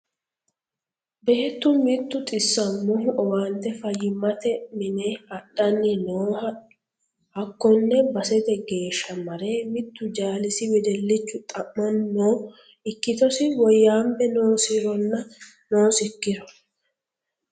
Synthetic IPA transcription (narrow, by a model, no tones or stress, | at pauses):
be̞ːt̪ːʊmɪt̪ːʊt̪ʼɪsːɐnmʊhʊʔɔwant̪ːɛfɐjːɪmɐt̪ɛmɪneɐɗːɐnːɪnoːɐ | hɐkːɔnːɛbɐsɛt̪ɛɡe̞ːʃːɐmɐɾeːmɪt̪ːʊd͡ʒaːlɪsɪwɛd̪ɛlːɪt͡ʃːʊt̪ʼɐmːɔnːoː | ɪkːɪt̪ɔsɪwɔjːaːmbɛnoːsɪɾɔnːɐ | noːsɪkːɪɾɔ̥